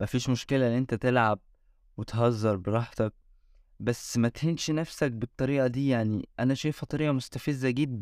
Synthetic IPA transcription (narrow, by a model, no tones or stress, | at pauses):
mæfiːʃmoʃkelænːʔent̪æt̪elʕab̚ | wet̪ɦɑzˤːɑɾˤbeɾˤɑːħt̪æk̚ | bæsmæt̪henʃnæfsæk̚bet̪ˤːɑɾiːʔæd̪iːjaʕniʔænæʃæjfɑt̪ˤɾejʔɑmost̪æfezːæʔɡiːb